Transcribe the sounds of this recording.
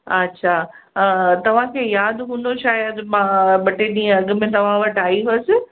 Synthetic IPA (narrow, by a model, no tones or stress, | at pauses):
ɐ̰tːʃʰa | t̪ɐʋ̤ãkʰeːjaːd̪ɦũːn̆d̪oʃaːjəd̪mãːɓɐʈeniɐɡmẽt̪ɐʋ̤ãʋɐʈaːiɦosɪ